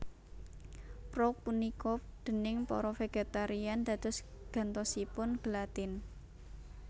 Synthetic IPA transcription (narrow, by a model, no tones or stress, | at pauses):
pɾɔpunikɔd̪̥ə̤nɪŋpɔ̰ɾɔfeɡ̥et̪aɾiand̪ä̤d̪̥ʊ̤sɡ̥ä̤nt̪ɔsipʊnɡ̥əlat̪ɪn